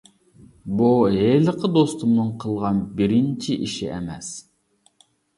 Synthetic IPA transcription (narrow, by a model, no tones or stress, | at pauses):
buɦelˠəqʰəd̪ost̪umnɨɴqʰəlˠʁɑnbɪɾɪnt͡ʃʰiʔiʃḭʔɛ̰mɛs